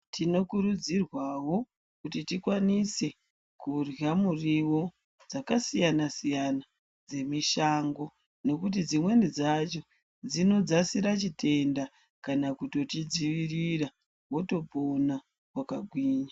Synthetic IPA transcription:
tʰino̞kuɾud͡zirwawo̞ | kutitikwanise̞ | kurjamuriwo̞ | d͡zakasijanasijana | d͡ze̞miʃaːŋɡo̞ | no̞kut̬id͡zimwe̞nid͡zat͡ʃo̞ | d͡zino̞d͡zasiɾat͡ʃitʰe̞nda | kanakuto̞tid͡ziʋirira | wo̞to̞po̞na | wakaɡʱwiːɲa

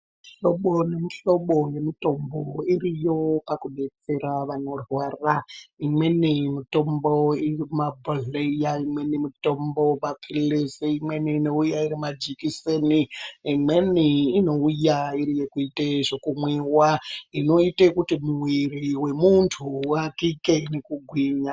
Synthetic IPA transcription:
miɬoɓone̞miɬo̞ɓo̞je̞mito̞mboirijo̞pakuɓe̞t͡se̞raʋano̞rwaːraimwe̞nimito̞mboirimabʱoɮeijaimwe̞nimito̞mbomapʰilesiimweniːno̞ujairimad͡ʒikiseniimwe̞niːno̞ujaiɾijekuiteʐokumwiwaino̞itekutimuwiriwe̞muntʰuwakikenekuɡʱwiɲa

